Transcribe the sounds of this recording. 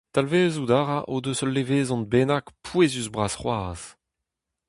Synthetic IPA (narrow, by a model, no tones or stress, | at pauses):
t̪alveːzud̪aːʁaʔod̪øsɔlːeveːzɔ̃nbeːnakpʰweːzyzbʁaːsχwaːz̥